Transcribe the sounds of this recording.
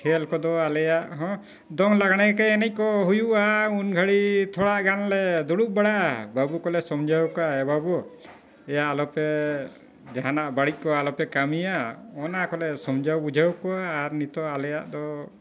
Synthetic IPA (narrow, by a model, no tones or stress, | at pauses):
kʰɛlkɔd̪ɔalɛjaʔɦɔ̃ | d̪ɔŋlaɡaɽ̃ɛkɛɛnɛc̚ˀkɔɦujuaunɡʱaɽit̪ʰɔɽaʔɡanlɛd̪ɔɽuʔ̚baɽaʔbabukɔlɛsɔmd͡ʒʱawkɔaɛbabɔ | ɛjaʔːlɔpɛ | d͡ʒaɦanaʔbaɽic̪̚ˀkɔalɔpɛkamijaɔnakɔlɛsɔmd͡ʒʱawbud͡ʒʱawkɔaːɾnit̪ɔalɛja̰ʔd̪ɔ